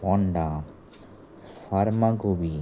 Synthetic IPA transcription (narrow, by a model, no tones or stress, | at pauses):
ɔɳɖa | faɾmaɡobi